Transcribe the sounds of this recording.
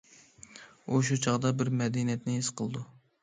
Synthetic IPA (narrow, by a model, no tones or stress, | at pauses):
uʃ̬ut͡ʃʰɑʁd̪ɑbɪɾmɛd̪inijɛt̪nɪisqʰəlˠɨd̪u